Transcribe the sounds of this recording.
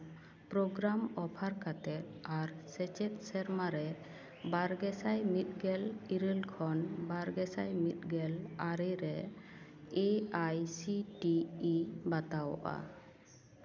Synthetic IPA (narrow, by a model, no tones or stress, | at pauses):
pɾoɡɾamɔpʰaɾkʰat̪ɛɾaɾsɛt͡ʃɛt̪̚sɛɾmaɾɛ | baɾɡɛsajmit̪̚ɡɛliɾəlkʰɔnbaɾɡɛsajmit̪̚ɡɛlaɾɛɾɛ | eajsiʈiː | bat̪awʔa̰